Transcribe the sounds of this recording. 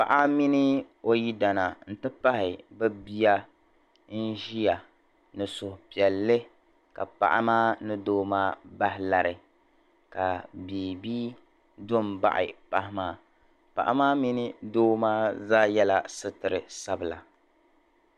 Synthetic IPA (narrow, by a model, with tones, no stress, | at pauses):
pa̰˨ʔa˦mi˦nɪ˦ | o˦ji˦da˨na˨n̩˨tɨ˦pa˦ɦɪ˨bɨ˦bi˦ja˦ | n̩˦ʒi˦ja˨ | nɨ˨sʊ˨hʊ˨pi˨ɛ˨lːɨ˦ | ka˨pa̰˨ʔa̰˦maː˦nɨ˦doː˦maː˦ba˦hɪ˦la˨ɾɨ˨ | ka˨biː˨biː˦ | dʊ˦m˨ba̰˦ʔɪ̰˨pa˦hɪ˦maː˦ | pa̰˨ʔa̰˦maː˦mi˦nɨ˦doː˦maː˦za˦jɛ˦la˦sɨ˦tɨ˨ɾɨ˨sa˦bɨ˨la̰˨